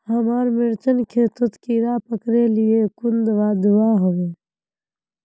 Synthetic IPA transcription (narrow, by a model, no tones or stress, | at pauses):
həmaːɾmɪɾt͡ʃənkʰeːt̪ʊt̪kiɾaːpəkɾeliekʊnd̪ʋaːd̪uaːɦoʋeː